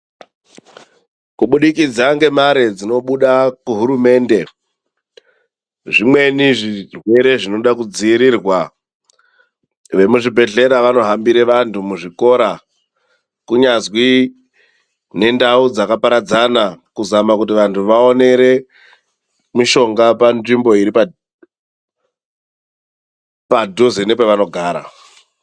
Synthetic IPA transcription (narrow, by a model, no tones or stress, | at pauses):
kuɓuɗikid͡zaŋɡe̞maɾed͡zino̞ɓuɗakuɦuɾume̞ːnde̞ | ʐimwe̞niʐirwe̞ɾe̞ʐino̞ɗakud͡ziiɾirwa | ʋe̞muʐibʱe̞ɮe̞ɾaʋano̞ɦambiɾeʋantʰumuʐiko̞ːɾa | kuɲazwi | ne̞ndaud͡zakapaɾad͡zanakuzamakutiʋantʰuʋao̞ne̞ɾe̞ | miʃo̞ŋɡapanʐimbo̞iɾipa | padʱozenep̬eʋano̞ɡʱaːɾa̰